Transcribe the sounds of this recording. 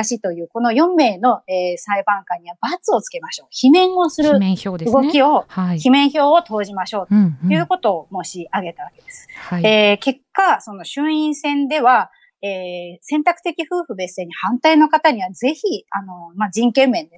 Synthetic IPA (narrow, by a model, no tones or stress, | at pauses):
aɕit̪o̞jɯ̟ːko̞no̞jõ̞mːe̞ːno̞eːsaibãŋkãɲ̟iβab̥at͡sɨo̞t͡sɨ̥ke̞maɕo̞ːçimẽ̞ɰ̃o̞sɨɾɯ̟ɯɡo̞kʲio̞çimẽ̞ɰ̃ço̞ːot̪o̞ːʑimaɕo̞ːt̪oɯ̟ːko̞t̪o̞ːmo̞ɕiaɡe̞t̪aβake̞d̪e̞sɨ̥eːke̞kːaso̞no̞ɕɨ̃ɰ̃ĩɰ̃sẽ̞nd̪e̞βa | eːsẽ̞nt̪akɯ̟̥t̪e̞kʲiɸɯ̟ːɸɯ̟be̞se̞ɲ̟ihãnt̪aino̞kat̪aɲ̟iβad͡ze̞çiano̞mad͡ʑĩŋkẽ̞mːẽ̞nd̪e